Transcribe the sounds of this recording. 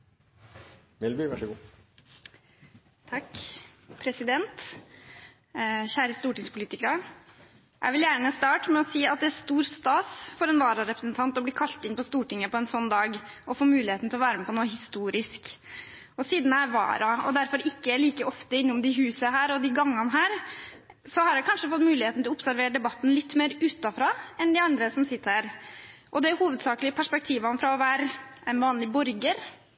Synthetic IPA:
ʋɛlbiʋæʂəɡuː | t̪ʰɑkːpʰɾɛsɪd̪ɛnt̪ | çæːɾəst̪uːʈɪŋspʰʊliːt̪ɪkəɾə | jʔæ̰ɪʋɪljæːɳəst̪ɑːʈmɛɔsiːɑt̪̚d̪ɛæst̪uːɾst̪ɑːsfɔɾɛnʋɑːɾɑɾɛpɾəsnt̪ʰɑnt̪ɔbliːkʰɑlt̪ɪnpʰɔst̪uːʈɪŋːəpɔɛnsɔnːd̪ɑːɡ | ɔfoːmʉːlɪheːt̪n̩t̪ʰɪlɔʋæːɾəmɛpʰɔnoːɦɪst̪uːɾɪsk | ɔsiːd̪n̩æɪʋɑ̰ːɾɑɔ̰d̪æɾfɔɾɪkːəliːkəɔft̪əɪnːʊmd̪ɪɦʉːsəɦæːɾɔd̪ɪɡɑŋːɑnɦæːɾ | sɔhɑɾɑkʰɑnʂəfɔt̪mʉːlɪheːt̪nɪlɔʊpsæɾʋeːɾəɖ̪ɛbɑt̪ːn̩lɪt̪ːmeːɾʉːt̪ɑfɾɑːɛnd̪ɪɑnd̪ɾəsɔmsɪt̪ːəɾhæːɾʔɔd̪ɛhuːʋəd̪sɑːklɪəpʰæʂpɛk̚t̪ʰiːʋɑnfɾɑɔʋæːɾɛnʋɑːnlɪbɔɾɡəɾ

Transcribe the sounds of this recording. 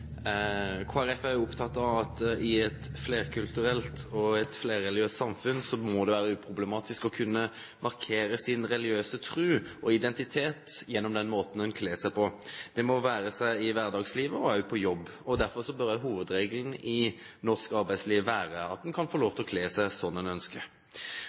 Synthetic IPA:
kʰoːæɾɛfæɾjʊʊpt̪ʰɑt̪ːɑʋɑt̪ɪɛt̪fleːɾkʰʉlt̪ʉɾɛlt̪ɔɛt̪fleːɾːɛlɪøːst̪sɑmfʉnsɔmɔd̪ɛʋæːɾəʉːpʰɾʊblɛmɑːt̪ɪskɔkʰʉnːə | mɑʁkʰeːɾəsɪnɾɛlɪøːsət̪ʰɾʉːɔɪd̪ɛnt̪ɪt̪ʰeːt̪jɛnːɔmd̪ɛnmoːt̪n̩d̪ɛnkʰleːsæɪpʰɔd̪̥ɛmɔʋæːɾəsæɪɪʋæʁd̪ɑːɡsliːʋəɔɑʉpʰɔjɔbːɔd̪æɾfɔʁsɔbœɾd̪æɦuːʋəd̪ɾeːɡəln̩ɪ | nɔʁskɑɾbæɪsliːʋːæːɾəɑ̰t̪̚d̪ɛnkʰɑnfɔʁloːʋt̪ʰɔkʰleːsæɪsɔnːɛnœnskə

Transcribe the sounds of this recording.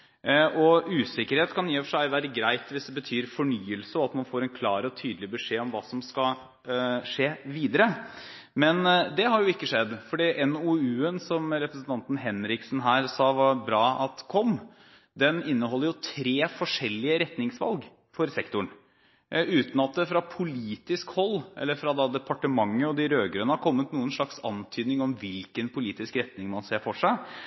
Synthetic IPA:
ʔɔʉːsɪkːəɾheːt̪kʰɑniːɔfəʂæɪʋæːɾəɡɾæɪt̪ʋɪsd̪ɛbət̪ʰyːɾfɔɳyːəlsəɔɑt̪mɑnfoːɾɛnkʰlɑːɾɔt̪ʰyːd̪lɪbəʂeːɔmʋɑːsɔmskɑ | ʂeːʋiːd̪əɾə | mɛnd̪ɛɦɑɾjʊɪkːəʂɛd̪ːfɔɖiːʔɛnuʉːənsɔmɾɛpɾəsən̩t̪ʰɑnt̪n̩ɦɛnɾɪksn̩ɦæːɾsɑːʋɑbɾɑːʔɑt̪kʰɔm | d̪ɛnɪnːəɦɔlːəɾjʊt̪ʰɾeːfɔʂɛlːɪəɾɛt̪nɪŋsʋɑ̰lɡ | fɔɾsɛkt̪ʊɳ | ʉːt̪n̩ɑt̪̚d̪ɛfɾɑpʰʊliːt̪ɪskhɔlːʔɛ̰lːəɾfɾɑd̪ɑd̪ɛpʰɑʈəmɑŋːəɔd̪ɪɾøːɡɾøːnəhɑɾkʰɔmːət̪nuːənʂɭɑksɑ̰nt̪ʰyːd̪nɪŋɔmʋɪlkənpʰʊliːt̪ɪskɾɛt̪nɪŋmɑnseːfɔʂæɪ

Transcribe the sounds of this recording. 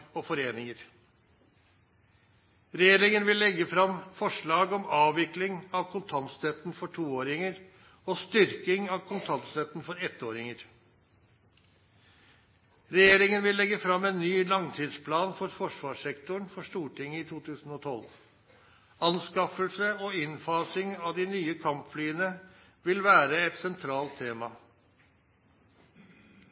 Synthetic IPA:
ɔfɔɾeːnɪŋəɾ | ɾɛjeːɾɪŋənʋɪlːɛɡːəfɾɑmfɔʂɭɑːɡɔmɑːʋɪklɪŋɑʋkʰʊnt̪ʰɑnt̪st̪ɛt̪nfɔʈʰuːoːɾɪŋəɾ | ɔst̪ʏɾkɪŋɑʋkʰʊnt̪ʰɑnt̪st̪ɛt̪ːn̩fɔɾɛt̪ːoːɾɪŋəɾ | ɾɛjeːɾɪŋənʋɪlːɛɡːəfɾɑmɛːnːyːlɑŋt̪ʰiːd̪spʰlɑːnfɔɾfɔʂʋɑːʂɛkt̪ʊɳfɔʂt̪uːʈɪŋːəɪt̪ʰuːt̪ʰʉːsn̩ɔt̪ʰɔl | ɑnskɑfəlsəɔɪnfɑːsɪŋɑʋd̪ɪnyːəkʰɑmpflyːənə | ʋɪlʋæːɾəɛt̪sɛnt̪ʰɾɑːlt̪ʰːeːmɑ

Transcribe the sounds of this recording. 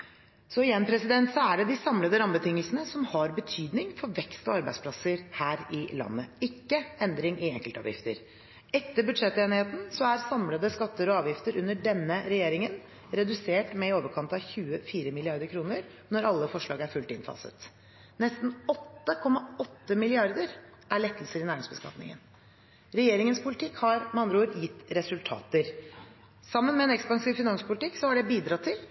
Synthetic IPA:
sɔɪjɛnːpʰɾɛsɪd̪ɛnt̪sɑæɖɛd̪ɪsɑmləd̪əɾɑmbət̪ʰɪŋːəlsənəsɔmhɑɾbət̪ʰyːd̪nɪŋfɔɾʋɛkst̪ɔɑɾbæ̰ɪspʰlɑsəɾhæːɾɪlɑ̰nːəɪkːəɛnd̪ɾɪŋʔɪɛŋkəlt̪ɑ̰ːʋjɪ̰ft̪ə̰ɾ | ɛt̪ːəɾbʉd̪ʂɛt̪ːeːnɪheːt̪n̩sɔæɾsɑmləd̪əskɑt̪ːəɾɔɑːʋjɪft̪əɾʔʉnːəɖɛnːəɾɛjeːɾɪŋən | ɾɛd̪ʉseːʈmɛɪoːʋəɾkʰɑnt̪ɑçʉːəfiːɾəmɪlɪɑɾd̪əɾkʰɾuːnəɾ | nɔɾɑlːəfɔʂɭɑːɡəæɾfʉlt̪ɪnfɑ̰sə̰t̪ | nɛst̪n̩ɔt̪ːəkʰɔmːɑɔt̪ːəmɪlɪɑɾd̪əɾ | ʔæɭɛt̪ːəlsəɾɪnæːɾɪŋsbəskɑ̰t̪nɪ̰ŋə̰n | ɾɛjeːɾɪŋənspʰʊlɪt̪ʰɪkhɑɾmɑnd̪ɾuːɾjɪt̪ːɾɛsʉlt̪ʰɑ̰ːt̪əɾ | sɑmːənmɛɛnɛkspɑŋsiːʋfɪnɑnspʊlɪt̪ɪksɔhɑɖɛbiːd̪ɾɑt̪ʰːɪl

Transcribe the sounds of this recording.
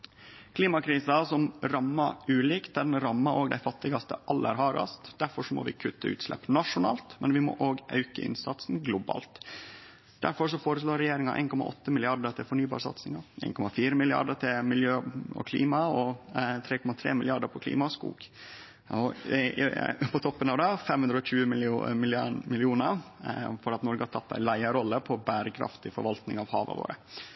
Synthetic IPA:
kʰliːmɑkʰɾiːsɑsɔmɾɑmːɑʉːliːkt̪̚d̪æɖɛnɾɑmːɑɾʔoːɡd̪æɪfɑt̪ːɪɡɑst̪ə̰ʔɑlːə̰ɾɦɑːɾɑ̰st̪d̪̥æɾfɔʂɔmɔ̰ʋɪ̰kʰʉt̪ʰːəʉ̰ːt̪slɛ̰pːnɑʂʊnɑːlt̪mɛnʋɪmɔ̰ʔoːɡʔɑ̰ʉkə̰ʔɪ̰nsɑt̪snɡlʊbɑ̰ːlt̪ | d̪̥æ̰ɾfɔɾʂɔfoːɾəsloːɾɛjeːɾɪŋɑʔḛnkʰɔmɑ̰ʔɔt̪ːəmɪlɪɑɖət̪ʰɪfɔɳyːbɑ̰ːsɑ̰t̪snɪŋɑʔḛːnkɔmɑfiːɾəmɪlɪɑ̰ɖət̪ʰɪmɪljøːɔ̰kʰlḭːmɑɔt̪ʰɾeːkʰɔmɑt̪ʰɾḛːmɪlɪɑɖəpʰɔkʰlḭːmɑskṵːɡ | ɔ̰ | pʰɔt̪ʰɔpːənɑːʋd̪ɑfɛmhʉnɾɔc͡çʉːəmɪmɪlmɪlɪuːnəɾfɔɾɑt̪nɔɾɡəhɑʈ̪ʰɑt̪ːæ̰ɪlæɪəɾɔlːəpʰɔbæːɾəkʰɾɑ̰ft̪ɪfɔɾʋɑlt̪nɪŋɑʋhɑ̰ːʋə̰ʋo̰ːɾə

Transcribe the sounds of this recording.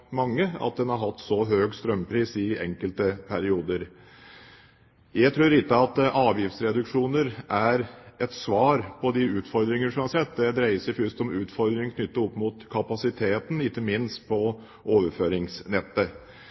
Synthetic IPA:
mɑŋːəɑ̰t̪̚d̪ɛnhɑɾɦɑt̪ːsɔɦøːɡst̪ɾœmːpʰɾiːsɪɛ̰ŋkəlt̪əpʰæɾɪuːd̪əɾ | jæɪt̪ʰɾʉːɾɪt̪ːɑɑt̪ʔɑːʋjɪfsɾɛd̪ʉkʂuːnəɾʔæɾɛt̪sʋɑːɾpʰɔd̪ɪʉːt̪fɔɾd̪ɾɪŋəʂɔmhɑɾsɛt̪ːd̪ɛd̪ɾæɪəsəfʉst̪ɔmʉːt̪fɔɾd̪ɾɪŋkʰnʏt̪ːəɔpːmut̪kʰɑpɑsɪt̪ʰeːt̪n̩ɪkːəmɪnst̪̚pʰɔ | ʔoːʋəɾføːɾɪŋsnɛt̪ːə

